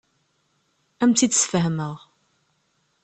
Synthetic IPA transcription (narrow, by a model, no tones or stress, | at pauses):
æmθid̪sfəɦməʁ